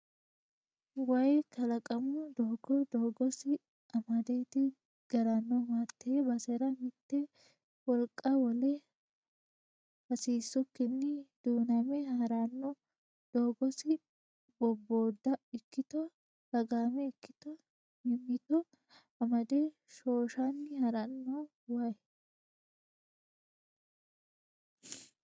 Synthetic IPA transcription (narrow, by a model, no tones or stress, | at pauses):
wɐjkʰɐlɐkʼɐmʊd̪oːɡɔd̪oːɡɔsɪ | ɐmɐd̪eːt̪ɪ | ɡ̥ɐɾanːɔmat̪ːɐbɐseɾɐmɪt̪ːɛ | wɔlkʼːɐwɔle | bɐsiːsːʊkːɪnːɪd̪̥uːnɐmɛhɐɾanːɔ | d̪̥o̞ːɡɔsɪ | bɔbːo̞ːd̪ːɐɪkːɪt̪ɔ | d̥ɐɡaːmɛɪkːɪt̪ɔ | mɪmːɪt̪ɔ | ɐmɐd̪ɛ | ʃoːʃɐnːɪhɐɾɐnːɔ | wɐj